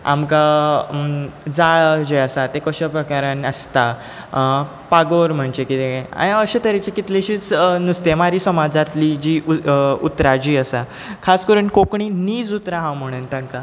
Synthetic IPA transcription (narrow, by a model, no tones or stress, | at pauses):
a̰mka | d͡zaɭd͡ʑeəsat̪ekəɕəpɾəkaɾãnəst̪a | paɡoɾm̤əɳt͡ɕekit̪ea̰jaəɕet̪əɾet͡ɕekit̪leɕiːt͡snust̪emaɾiːsəmad͡zat̪lid͡ʑiːut̪ɾad͡ʑiːəsa | kʰaskəɾuːnkokɳ̃iːniːd͡zut̪ɾaɦãwm̤əɽ̃uːnt̪ãŋka